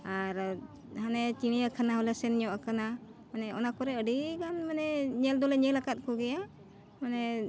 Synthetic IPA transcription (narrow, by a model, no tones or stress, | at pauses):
aɾ | hanɛt͡ʃiñijakʰanaɦɔlɛsɛnɲɔʔakana | manɛɔ̰nakɔɾɛəɖiɡanmanɛɲɛld̪ɔlɛɲɛlakat̪̚kɔɡɛja | manɛ